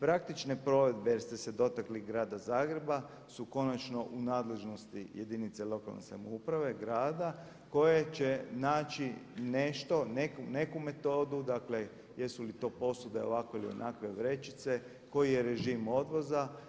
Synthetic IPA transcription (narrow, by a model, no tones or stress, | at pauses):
pɾak̚t̪it͡ʃne̞pɾo̞ʋe̞d̪bejeɾst̪ese̞d̪o̞t̪akliɡɾaːd̪azaːɡɾe̞ba | suko̞nat͡ʃno̞ʔunaːd̪le̞ʒno̞st̪ije̞d̪init̪selo̞ka̰lˠnḛsa̰moupɾaʋe̞ɡɾaːd̪a | ko̞jet͡ʃe̞naːt͡ʃine̞ʃt̪o̞nekune̞kume̞t̪o̞ːd̪ud̪akle̞ | je̞sulit̪o̞ːpo̞sud̪e̞o̞̰ʋakoilio̰nʔakʋe̞ʋɾe̞t͡ʃit̪se̞ | ko̞jije̞ɾe̞ʒimo̞d̪ʋo̞za